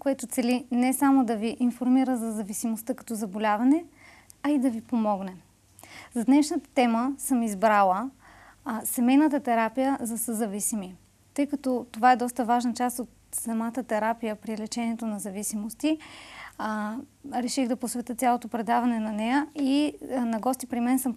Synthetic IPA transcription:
koɛt̪ʊt̪sɛlinɛsamod̪ɐviʔinfoɾmiɾəzɐzɐvisimost̪əkɐ̥t̪ɔzɐbolʲavɐnɛ | ɐid̪ɐvipomɔɡnɛ | zɐd̪nɛʃnət̪ə̥t̪ɛməsɤmizbɾalˠə | sɛmɛjnət̪ət̪ɛɾapijəzɐsəzɐvisimi | t̪ɤjkɐt̪ɔt̪ovaɛd̪ɔst̪əvaʒnət͡ʃast̪ot̪̚sɐmat̪ət̪ɛɾapijəpɾilɛt͡ʃɛniɛt̪onɐzɐvisimost̪i | ɾɛʃiɣd̪ɐposvɛt̪ɤt̪sʲalˠot̪opɾɛd̪avɐnɛnɐnɛjəinɐɡɔst̪ipɾimɛnsɤm

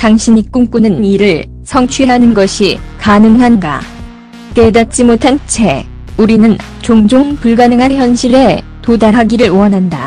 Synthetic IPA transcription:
taŋɕʰinik͈uŋk͈unɯnniɾɯɭ | sʰʌŋt͡ɕʰɥieɦanɯnɡʌɕʰikanɯŋɦanɡa̰ | k͈e̞dat̚t͡ɕ͈imotʰant͡ɕʰe̞ | uɾinɯn | t͡ɕoŋd͡ʑoŋpuɭɡanɯŋɦançjʌnɕʰiɾe̞ | todaɾɦaɡiɾɯɭuʌnɦanda

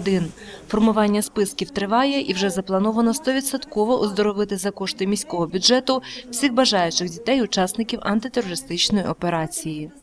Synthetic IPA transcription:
d̪ɪnfɔrmʊʋɑnʲːɐspɪskʲiwt̪ɾɪʋɑjɛʔiwʒɛzɐplˠɐnɔʋɐnɔst̪ɔʋʲid̪ʲsɐt̪kɔʋɔʔɔzd̪ɔɾɔʋɪt̪ɪzɐkɔʃt̪ɪmʲisʲkɔɦɔbʲʊdʒɛt̪ʊw̥sʲixbɐʒɑjʊt͡ʃɪɣdʲit̪ɛjʊt͡ʃɑsnɪkʲiwʔɐnt̪ɪt̪eɾɔɾɪst̪ɪt͡ʃnɔjiʔɔpeɾɑt͡sʲiji

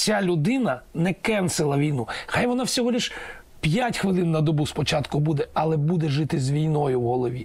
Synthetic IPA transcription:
sʲalʲʊd̪ɪnɐnɛkɛnsɪlˠɐʋʲijnuxajʋɔnɑwsʲɔɦɔlʲiʃ | pʲjatʲxʋɪlˠɪnːɐd̪ɔbuspɔt͡ʃɑt̪kʊbud̪ɛɐlˠɛbud̪ɛʒɪt̪ɪzʋʲijnɔjʊwɦɔlˠɔʋʲi

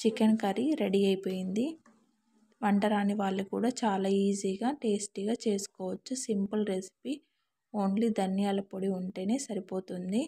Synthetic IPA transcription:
t͡ʃikɐnkɐɾiɾe̞ɽiɐjipo̞ːjind̪i | ʋɐɳʈɐɾaːnːiʋaːɭːukuːɽaːt͡ʃaːlaːiːziːɡaːʈe̞ːsʈiɡaːt͡ʃe̞ːsu̥kɔːʋɐt͡ʃːusimpɐlɾesi̥pi | o̞ːnlid̪ɐnjaːlɐpoɽiuɳʈeːne̞ːsɐɾipo̞ːt̪und̪i

